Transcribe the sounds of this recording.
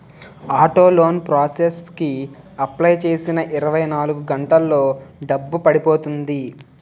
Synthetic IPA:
aːʈoːlo̞ːnpɾaːseski | ɐplɐjt͡ʃe̞ːsinɐʔiɾɐʋɐjnaːluɡuɡɐɳʈɐlːo̞ːɖɐbːupɐɽipoːt̪und̪i

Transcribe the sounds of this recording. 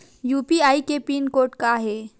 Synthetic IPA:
juːpiaːikepiːnkoːɾʈkaɦe

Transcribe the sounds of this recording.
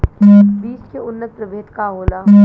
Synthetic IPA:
ʋiːskeʊnːət̪̚pɾəʋʱeːt̪kaɦoːlaː

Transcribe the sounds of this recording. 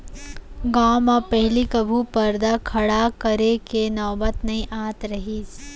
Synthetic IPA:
ɡaːmãpɐɦɪlikɐbʱupɐɾd̪akʰɐɽakɐɾekenɔːbət̪nɐɦĩʔaːt̪ɾɐɦiːs

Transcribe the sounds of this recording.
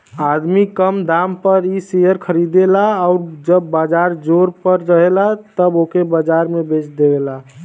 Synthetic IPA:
ad̪mikəmd̪ampəɾisejəɾkʰəɾid̪elaɔʊɾd͡ʒəbːad͡ʒaɾd͡ʒoɾpəɾːəɦelat̪əbokebəd͡ʒaɾmẽbet͡ʃʰd̪eɡela

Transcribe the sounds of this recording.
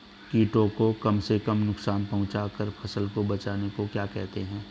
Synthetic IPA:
kiːʈõkokɐmsekəmnʊksaːnpɐɦʊ̃t͡ʃakəɾpʰɐsəlkobɐt͡ʃaːnekokjaːkɛɦt̪eɦɛ̃ː

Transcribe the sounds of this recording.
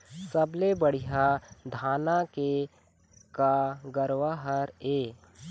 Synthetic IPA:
səblebəɽ̤ijad̪ʱaːnake | kaɡəɾwaɦəɾeː

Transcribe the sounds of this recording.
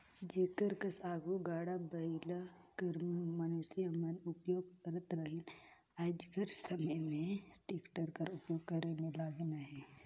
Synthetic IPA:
d͡ʒekəɾkəsaːɡuɡaːɽabəilakəɾmənusiəmənʊpjoːɡɐɾət̪ɾəɦin | aːd͡ʒkəɾsəməjmẽʈekʈəɾkəɾʊpjoːɡ̚kəɾenelaːɡnaɦɛ

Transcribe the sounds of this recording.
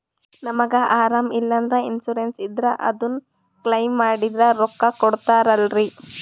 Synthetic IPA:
nɐmɐɡɐʔaːɾaːmilːɐnd̪ɾɐinsuɾensid̪ɾɐʔɐ̰d̪un | klɐjmːaːɽid̪ɾɐɾɔkːɐkɔɽt̪aːɾɐlɾi

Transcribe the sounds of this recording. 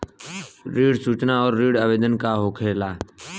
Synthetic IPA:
ɾiːɽsuːt͡ʃnaɔːɾːiːɽaːʋeːd̪ənkaɦoːkʰeːlaː

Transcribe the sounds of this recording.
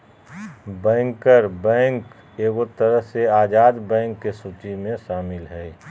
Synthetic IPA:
bɛ̃ːŋkəɾbɛ̃ːŋk | eːɡot̪əɾəɦseaːd͡ʒaːd̪bɛ̃ːŋkːesuːt͡ʃimẽʃaːmɪlɦɛː

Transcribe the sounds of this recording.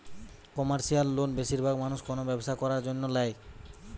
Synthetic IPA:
kɔmaɾʃialːonbeʃiɾbʱaɡmanuʃkonobɛboʃakɔɾaɾd͡ʑonːolaj

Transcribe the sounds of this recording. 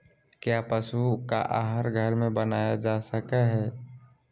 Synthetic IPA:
kjaːpəsuka̰ʔaːɦəɾɡʱəɾmẽbənaːjad͡ʒaːsəkəɦɛː

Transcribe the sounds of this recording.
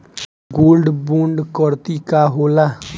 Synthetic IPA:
ɡoːlɖbũːɳɖkɔɾt̪iːkaːɦoːlaː

